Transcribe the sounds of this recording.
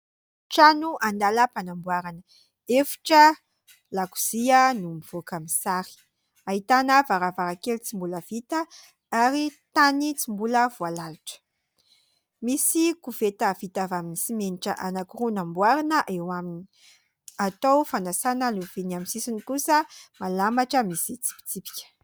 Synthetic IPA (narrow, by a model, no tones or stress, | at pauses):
ʈ͡ʂanuʔand̪alapanambwaɾanə | efi̥ʈ͡ʂə | laku̥z̥iənumiv̥okamisaɾi̥ | aɦit̪anəvaɾavaɾakelit͡simbuləv̥it̪ə | aɾit̪anit͡simbuləvualalaʈ͡ʂə̥ | misikuvet̪əvit̪avaminisimeniʈ͡ʂəʔanakuɾunambwaɾinəʔewamini̥ | at̪owfanasanənuvinaminsisinikusəmalamaʈ͡ʂəmisit͡si̥pi̥t͡sipi̥kʲə̥